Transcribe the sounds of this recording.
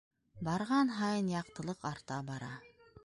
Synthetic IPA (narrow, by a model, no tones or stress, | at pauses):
bɑɾʁɑnɦɑjɤnjɑqt̪ɤ̆lˠɤqɑɾt̪ɑbɑɾɑ̰